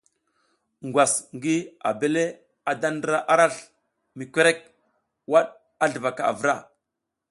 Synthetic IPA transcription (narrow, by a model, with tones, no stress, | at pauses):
ŋɡʷwa˨sŋɡi˦a̰˨be˦le˦ | a˨da˦n˦dɾa˦ʔa˦ɾa˦ɬ | mi˨kʷe˦ɾe˦k̚ | wa˦ɗ | a˦ɮə˨va˨ka˨a̰˨və˨ɾa˦